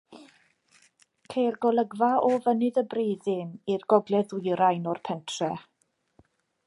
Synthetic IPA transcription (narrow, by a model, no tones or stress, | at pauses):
kʰejrɡɔlˠəɡvaʔɔvənɨðəbreːðɨnirɡɔɡlɛðʊjɾajnɔrpʰɛntʰrɛ